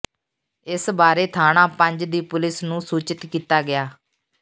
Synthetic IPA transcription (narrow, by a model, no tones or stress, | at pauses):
ɪsbaːɾeːt̪ʰaːɳãːpəɲd͡ʒd̪iːpʊlɪsnũːsuːt͡ʃɪt̪kiːt̪aːɡɪjaː